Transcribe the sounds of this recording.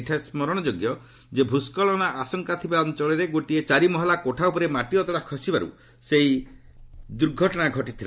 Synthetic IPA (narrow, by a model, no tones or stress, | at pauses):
ʈʰaesmɔɾɔɽ̃ɔd͡ʒoɡjɔ | d͡ʒebʱuskɔɭɔnaʔasɔŋkat̪ʰibaɔnt͡ʃɔlɔɾeɡoʈiet͡ʃaɾimɔɦɔlakoʈʰaupɔɾemaʈiɔt̪ɔɽakʰɔsibaɾṵ | seɦi | d̪uɾɡʱɔʈɔɽ̃aɡʱɔʈit̪ʰila